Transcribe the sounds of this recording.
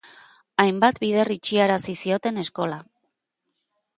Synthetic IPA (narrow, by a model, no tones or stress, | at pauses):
ajmbat̪biðe̞rit͡ʃiaɾasisio̞t̪e̞ne̞sko̞la